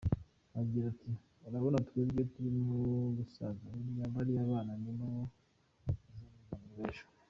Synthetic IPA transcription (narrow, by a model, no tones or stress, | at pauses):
aɡiɾati | uɾaβo̞natwebɡetuɾimuɡusazaiɾjaːmbaɾiaβaːnanina | zamuzamuβeːʃo̥